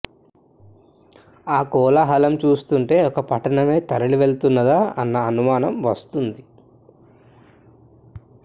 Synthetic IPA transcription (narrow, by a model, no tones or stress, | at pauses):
aːkɔːlaɦɐlɐmt͡ʃuːst̪uɳʈe̞ːɔkɐpɐʈɐɳɐme̞ːt̪ɐɾɐɭiʋe̞ɭt̪unːɐd̪aːɐ̰nːɐːnumaːnɐmʋɐst̪und̪i